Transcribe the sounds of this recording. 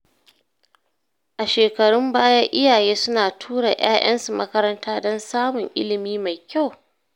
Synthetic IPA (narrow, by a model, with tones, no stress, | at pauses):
ʔa˨ʃeː˨kɐ˨ɽʊ˦mbaː˦ja˦ʔɪ˦jaː˨jeː˦sʊ˦naː˨tʰuː˦ɽa˨j̰a̰ː˦j̰ʔɐ̰˦nsu˨mɐ˦kɐ˦ɾɐ˦ntaː˦dɔ˦nsaː˦mʊ˨ŋʔɪ̰˦lɪ˨miː˦ma˨jkʲa˦˨w